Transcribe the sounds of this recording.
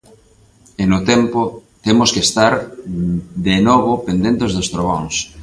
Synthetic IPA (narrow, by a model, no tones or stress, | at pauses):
enot̪ɛmpot̪emoskest̪aɾ | d̪enɔβopend̪ent̪ezðost̪ɾoɣɔŋs